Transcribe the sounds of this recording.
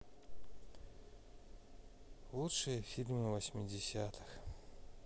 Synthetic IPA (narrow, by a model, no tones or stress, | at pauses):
lˠut̪ʂɨjəfʲilʲmɨvɐsʲmʲɪdʲɪsʲat̪ʰɨ̥x